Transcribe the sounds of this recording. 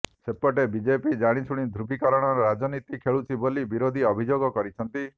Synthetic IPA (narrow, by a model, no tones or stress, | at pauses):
sepɔʈebid͡ʒepid͡ʒaɽ̃it͡ʃʰuɽ̃id̪ʱɾubikaɾɔɽ̃ɔɾɔɾad͡ʒɔnit̪ikʰeɭut͡ʃʰibolibiɾod̪ʱiɔbʱid͡ʒoɡɔkɔɾit͡ʃʰɔnt̪i